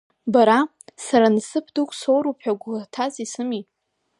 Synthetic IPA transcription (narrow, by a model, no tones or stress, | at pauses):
baɾa | saɾansɨpʰdukʷʰʼso̞wɾupʰħaɡʷatʰazisɨmi